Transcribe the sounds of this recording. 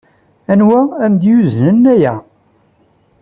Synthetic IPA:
ænwææmd̪juznənːæjæ

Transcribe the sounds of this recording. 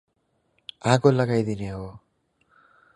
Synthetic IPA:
ãkolʌɡajd̪ineɦo

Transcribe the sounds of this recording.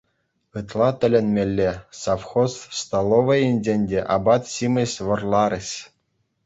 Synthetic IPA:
ɯt̪lˠɑt̪ʲɘ̆lʲenʲmʲelʲːesɑfχost̪st̪ɑlˠoʋɤ̆jenʲd͡ʑʲenʲdʲeʔɑbɑt̪ɕimʲɘ̆ɕʲʋɤ̆rlˠɑɾʲɘ̆ɕʲ

